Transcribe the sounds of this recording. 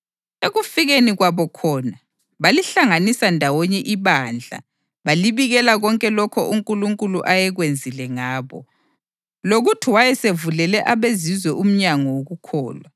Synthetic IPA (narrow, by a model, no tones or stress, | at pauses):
eɣufiɣeniɣwaβɔkʰɔːna | βaliɬaŋanisandʱawɔɲɛʔiβand͡ɮʱa̰ | βaliβiɣɛlaɣɔŋkʼɛlɔkʰɔʔuŋkʼuluŋkʼuluʔajɛɣwend͡zʱilɛŋaːβɔ̰ | loɣutʰiwajɛsevulɛlɛʔaβezizwɛʔum̩ɲaŋɔwoɣukʰɔ̰ːlwa